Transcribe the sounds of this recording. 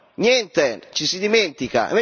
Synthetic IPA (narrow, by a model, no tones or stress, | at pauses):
njɛnt̪et͡ʃisid̪iment̪ika̰